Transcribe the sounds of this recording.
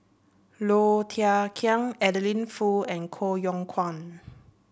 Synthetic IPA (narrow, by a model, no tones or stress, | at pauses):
lot̪ʰiakʰiə̃ŋɛdəlĩnfuɛ̃nkʰojɔ̃ŋkʰwãn